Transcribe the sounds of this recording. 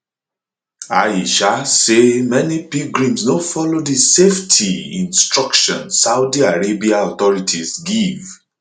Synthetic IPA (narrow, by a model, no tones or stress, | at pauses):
aiʃasemɛnipiɡɹĩmsnofɔlodiseftʰiḭ̃nstɹakʃɔ̰̃nsawdiaɹebiaɔt̪ɔɹitʰizɡiv